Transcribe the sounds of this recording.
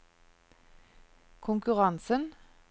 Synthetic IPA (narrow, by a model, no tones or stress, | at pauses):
kʰʊŋkʉʁɑnsən